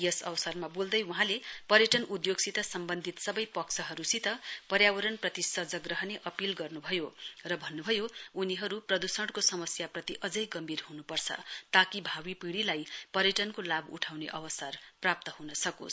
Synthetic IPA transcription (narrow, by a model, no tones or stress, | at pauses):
jʌsʌ̰wsʌrmabold̪ʌjuɦãlepʌɾjʌʈʌnud̪joɡsit̪ʌsʌmbʌnd̪ʱit̪sʌbʌjpʌksʰʌɦʌɾusit̪ʌpʌɾjawʌɾʌnprʌt̪isʌd͡zʌɡrʌɦneʔʌpilɡʌrnubʱʌjorʌbʱʌnːubʱʌjouniɦʌɾuprʌd̪usʌɽkosʌmʌsjaprʌt̪iʔʌd͡zʌjɡʌmbʱirhunupʌrt͡sʰʌ̰t̪akibʱawipiɽilajpʌɾjʌʈʌnkolabṵʈʰawneʔʌwʌsarprap̚t̪ʌɦunʌsʌko̰s